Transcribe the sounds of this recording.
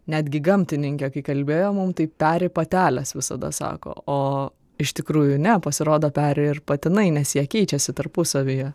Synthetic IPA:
nʲæːd̪ʲɡʲɪɡɐmʲt̪ʲɪnʲɪŋʲkʲɛkɐɪkɐlʲbʲeːjoːmʊmt̪ɐɪpʲæːɾʲɪpɐt̪ʲæːlʲɛsʋʲɪsɐ̰d̪ɐ̰sɑ̰ːko̰ːoː | ɪʃt̪ʲɪkɾuːjʊnʲɛpɐsʲɪɾoːd̪oːpʲæːɾʲɪɪrpɐt̪ʲɪnɐɪnʲɛsjɛkʲɛɪt͡ʃʲɛsʲɪt̪ɐɾpʊsɐʋʲijɛ

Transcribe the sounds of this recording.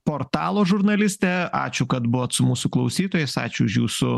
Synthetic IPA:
poːɾt̪ɑːlˠoːʒʊɾnɐlʲɪsʲt̪ʲɛɑ̰ːt͡ʃʲʊkɐt̪bʊʋoːt̪sʊmuːsʊklˠɐʊsʲiːt̪oːjɛɪsɑ̰ːt͡ʃʲʊʊʃjuːsʊ

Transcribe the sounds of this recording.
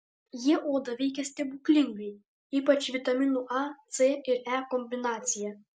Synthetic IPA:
jiɛʔoːd̪ɐʋʲɛɪkʲɛsʲt̪ʲɛbuklʲɪŋʲɡɛj | iːpɐt͡ʃʲʋʲɪt̪ɐmʲɪnuʔɑt̪seɪɾɛkɔmʲbʲɪnɑːt̪sʲɪjɛ

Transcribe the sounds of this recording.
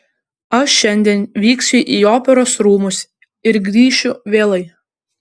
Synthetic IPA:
ɐʃʃʲɛnʲd̪ʲiɛnʋʲiːksʲʊʔiːoːpʲɛɾoːsɾuːmʊs | ɪɾɡɾʲiːʃʲʊʋʲeːlˠɐɪ

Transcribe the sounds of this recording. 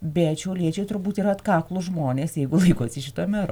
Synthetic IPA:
bʲɛt̪ʃʲɛʊlʲiɛt͡ʃʲɛɪt̪ʊrbuːt̪iɾɐɐt̪kɑːklˠʊʒmoːnʲeːsjɛɪɡʊlˠɐɪkoːsʲɪʃʲɪt̪oːmʲæɾoː

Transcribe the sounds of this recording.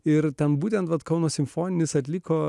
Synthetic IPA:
ɪɾt̪ʲɛnbuːt̪ʲɛnt̪ʋɐt̪kɐʊnoːsʲɪmfoːnʲɪnʲɪsɐt̪ʲlʲɪkoː

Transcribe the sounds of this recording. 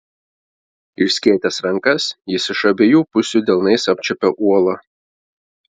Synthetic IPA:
ɪʃsʲkʲiɛt̪ʲɛsɾɐŋˑkɐsjɪsɪʃɐbʲejuːpʊsʲuːd̪ʲɛlˠnɐɪsɐpʲt͡ʃʲɛpʲɛʔuɔlˠɐ

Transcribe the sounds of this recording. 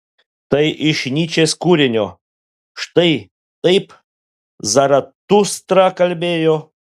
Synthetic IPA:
t̪ɐjʔɪʃnʲit͡ʃeskuɾʲenʲo | ʃt̪ɐj | t̪ɐjp | zɐɾɐt̪ːust̪ɾakɐlʲbʲejo

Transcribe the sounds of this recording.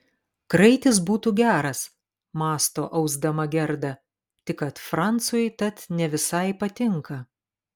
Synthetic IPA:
kɾɐɪt̪ʲɪsbuːt̪uːɡʲæːɾɐs | mɑːst̪o̰ːʔɐʊzd̪ɐmɐɡʲɛɾd̪ɐ | t̪ʲɪkɐt̪fɾɑnt̪sʊjt̪ɐt̪nʲɛʋʲɪsɐɪpɐt̪ʲɪŋkɐ

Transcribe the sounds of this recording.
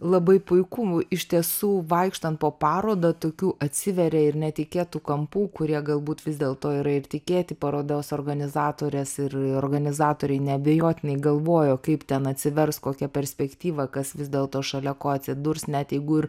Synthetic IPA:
lˠɐbɐɪpʊɪkuɪʃʲt̪ʲiɛsuːʋɐɪkʃt̪ɐnt̪̚poːpɑːɾoːd̪ɐt̪oːkʲuːʔɐt̪ʲsʲɪʋʲɛɾʲɛɪɾnʲɛt̪ʲɪkʲeːt̪ukɐmpuːkʊɾʲiɛɡɐlˠbuːt̪ʋʲɪzʲd̪ʲeːlˠt̪oːiːɾɐɪrt̪ʲɪkʲeːt̪ʲɪpɐɾoːd̪ʲoːsoːrɡɐnʲɪzɑːt̪oːɾʲɛsɪroːrɡɐnʲɪzɑːt̪oːɾʲɛɪnʲɛɐbʲɛjoːt̪ʲɪnʲɛɪɡɐlˠʋoːjoːkɐɪpt̪ʲɛnɐt̪ʲsʲɪʋʲɛrskoːkʲɛpʲɛɾʲsʲpʲɛkt̪ʲiːʋɐkɐsʋʲɪzʲd̪ʲeːlˠt̪oːʃɐlʲɛkoːɐt̪ʲsʲɪd̪ʊɾsnʲɛt̪jɛɪɡʊɪɾ

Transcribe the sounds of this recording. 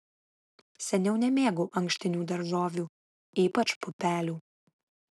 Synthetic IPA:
sʲɛnʲɛʊnʲɛmʲeːɡoʔɐŋksʲt̪ʲɪnʲuːd̪ɐɾʒoːʋʲuː | iːpɐt͡ʃpʊpʲæːlʲuː

